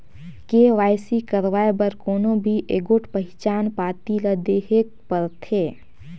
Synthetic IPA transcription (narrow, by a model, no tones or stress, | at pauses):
keʋaːɪsikəɾʋaːebəɾkoːnobʱiʔeɡoʈʰpəɦɪt͡ʃaːnpaːt̪iləd̪eːɦekpəɾt̪ʰeː